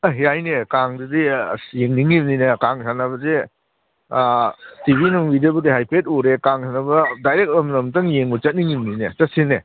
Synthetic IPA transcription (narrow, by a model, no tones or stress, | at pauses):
aɦijajnekaŋdɐdijeŋniŋimninekaŋsʰanɐβɐze | tibinuŋwidɐbɐdiɦajpʰet̚uɾekaŋsʰanɐbɐdajɾek̚ɔmnɐmtɐŋjeŋbɐt͡ʃɐt̚niŋimninet͡ʃɐt̚sinːe